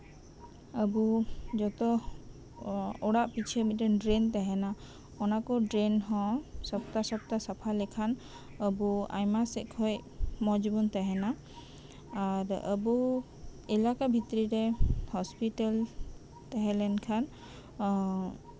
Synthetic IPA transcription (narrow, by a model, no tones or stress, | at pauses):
əbud͡ʒɔt̪ɔ | ɔɽaʔpit͡ʃʰɛmiɾɛnɖɾɛnt̪aɦɛna | ɔnakɔɖɾɛnɦɔ̃sɔb̚t̪asɔb̚t̪asapʰalɛkʰan | əbua̰jmasɛ̰ʔkʰɔjmɔd͡ʒbunt̪aɦɛna | aɾə̰bu | ɛlakabʱit̪ɾiɾɛhɔspiʈal | t̪ɛɦɛlɛnkʰan